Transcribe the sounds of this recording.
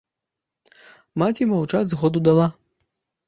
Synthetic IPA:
matʲimɐwt͡ʂadʲzɣɔd̪ud̪alˠa

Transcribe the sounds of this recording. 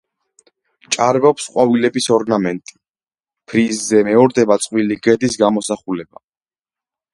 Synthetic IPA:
t͡ʃʼaɾvɛpsqʼwavilɛbisɔɾɡnamɛnt̪ʼi̥ | pʰɾizzɛmɛɔɾd̪ɛbat̪sʼqʼwiliɡɛd̪isɡamɔsaχulɛba̰

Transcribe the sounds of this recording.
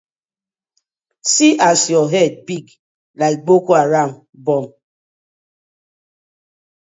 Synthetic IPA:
siʔasjɔɦɛd̚biɡ | laɪk̚ɡ͡bokuaɾam | bɔm

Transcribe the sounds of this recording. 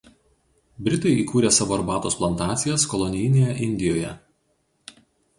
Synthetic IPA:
bʲɾʲɪt̪ɐɪiːkuːɾʲeːsɑʋoːɐɾbɑːt̪oːsplˠɐnt̪ɑːt̪sʲɪjɛskɔlˠɔnʲɪjɪnʲejɛʔɪnʲd̪ʲɪjoːjɛ̰

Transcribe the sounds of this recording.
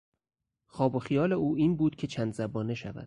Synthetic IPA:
xɒːbo̞xijɒːleuːiːnbuːd̪̥̚cʲʰe̞t͡ʃʰænd̪zæbɒːne̞ʃævæ̰d̪̥

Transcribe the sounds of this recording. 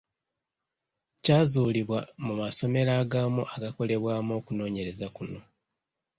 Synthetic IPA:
caːzuːliβwamumaso̞me̞ɾaːɡaːmuʔaɡako̞le̞βwaːmo̞ːkuno̞ːɲe̞ɾe̞zakuno̞

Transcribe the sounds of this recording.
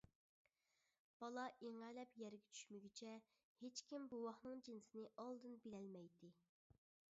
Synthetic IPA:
b̥ɑlˠɑʔiŋælɛpjɛɾɡʲɛt͡ʃʰy̥ʃmyɡʲit͡ʃʰɛ | het͡ʃkʲimbuwɑχnɨŋd͡ʒinsɪnɪʔɑlˠd̪ɨnbilɛlmɛjd̪ɪ

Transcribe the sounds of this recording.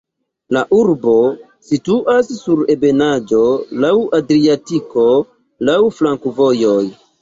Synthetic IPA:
laʔuɾbo̞ | situʔasːuɾe̞be̞nad͡ʒo̞lawʔadɾiatiko̞ | lawflaŋkuvo̞jo̞j

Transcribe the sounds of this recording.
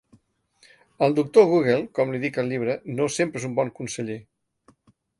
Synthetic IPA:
əlˠd̪uk̚t̪oɣuɣ̞elˠkɔmliðikəlʎiβ̞ɾənosempɾezumbɔŋkunsəʎe

